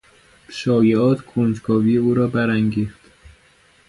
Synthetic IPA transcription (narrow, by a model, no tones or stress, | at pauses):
ʃɒːjeɒːt̪ʰkʰond͡ʒɡɒːviːjeuːɾɒːbæɾæŋɟiːχt̪